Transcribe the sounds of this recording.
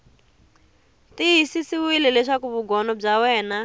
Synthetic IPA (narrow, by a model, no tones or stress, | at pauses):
tiɦisisiwilɛlɛʂakuβuɡɔnɔb͡ʐawɛːna